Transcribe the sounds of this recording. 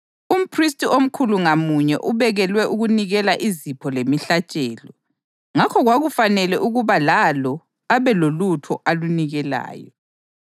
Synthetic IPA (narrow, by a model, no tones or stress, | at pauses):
um̩pʰristʼiom̩kʰuluŋamuɲɛ̰ʔuβɛɣɛlwɛʔuɣuniɣɛlaʔizipʰɔlemiɬat͡ʃʼɛːlɔ | ŋakʰɔɣwaɣufanɛlɛʔuɣuβalalɔ | aβɛlolutʰɔ̰ʔaluniɣɛla̰ːjɔ̰